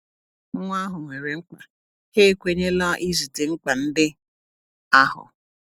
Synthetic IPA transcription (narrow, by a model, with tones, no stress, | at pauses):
ŋ̩˦ŋʷ˦a˦ɦʊ˨ŋʷe˨ɾe˨ŋ͡m̩˦kʷa˨ | he˦˨kʷe˨ɲe˦la˦ʔi˦zi˨tɪ˨ŋ̩˦ka˨n̩˦dɪ˦ | a˦hʊ̰˨